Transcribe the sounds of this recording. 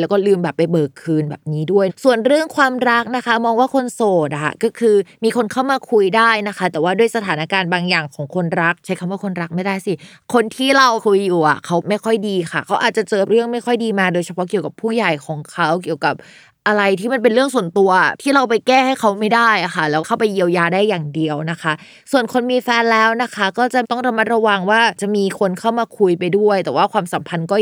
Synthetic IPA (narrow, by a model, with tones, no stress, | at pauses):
lɛː˦˥wkɔː˥˩lɯː˧mbɛː˨˩pːa˧jbɤː˨˩kʰːɯː˧nbɛ̰ː˨˩p̚niː˦˥du˥˩əjsu˨˩ənɾɯ˥˩əŋkʰwaː˧mɾa˦˥k̚na˦˥ka˦˥mɔː˧ŋwaː˥˩kʰo˧nsoː˨˩t̪̚ʔa̰˨˩kɔː˥˩kʰɯː˧miː˧kʰo˧nkʰa˥˩wmaː˧kʰu˧jdaː˥˩jna˦˥kʰa˦˥t̪ɛː˨˩waː˥du˥˩əjsa˧t̪ʰaː˩˦na˦˥kaː˧nbaː˧ŋjaː˨˩ŋkʰɔː˩˦ŋkʰo˧nɾa˦˥k̚t͡ɕʰa˦˥jkʰa˧waː˥˩kʰo˧nɾa˦˥k̚ma˥˩jda˥˩jsi˨˥˩ | kʰo˧nt̪ʰiː˥˩ɾa˧wkʰu˧jːuː˨˩ʔa̰˨˩kʰa˦˥wma˥˩jkʰɔ˥˩jdiː˧xʰa˥˩kʰa˦˥wʔaː˨˩t̪̚t͡ɕa˨˩t͡ɕɤː˧ɾɯ˥˩əŋma˥˩jkxʰɔ˥˩jdiː˧maː˧doː˧jt͡ɕʰa˧pʰɔ˦˥k̬i˨˩əwka˨˩pʰuː˥˩ja˨˩jkʰɔː˩˦ŋkʰa˦˥wki˨˩əwka˨˩p̚ | ʔa˧ɾa˧jt̪ʰiː˥˩ma˧np̬e˧nɾɯ˥˩əŋsu˨˩ənt̪u˧ɐ˨˩t̪ʰiː˥˩ɾa˧wpa˧jkɛː˥˩ha˥˩jkʰa˦˥wma˥˩jdaː˥˩jʔa˨˩xʰa˥˩lɛː˦˥wkʰa˥˩wpa˧jːi˧əwjaː˧daː˥˩jːaː˨˩ŋdi˧əwna˦˥kʰa˦˥ | su˨˩ənkʰo˧nmiː˧fɛː˧nlɛː˦˥wna˦˥kʰa˦˥kɔː˥˩t͡ɕa˨˩t̪ɔ˥˩ŋɾa˧ma˦˥t̪̚ɾa˧wa˧ŋwaː˥˩t͡ɕa˨˩ʔmiː˧kʰo˧nkʰa˥˩wmaː˧kʰu˧jpa˧jdu˥˩əjt̪ɛː˨˩waː˥˩kʰwaː˧msa˩˦mpʰa˧nkɔː˥˩